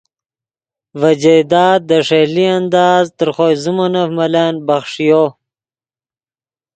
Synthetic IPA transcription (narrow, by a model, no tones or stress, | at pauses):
vad͡ʑed̪ɑːd̪̚d̪əʂeliand̪ɑːzt̪əɾχojzumanafmalanbaχʂijo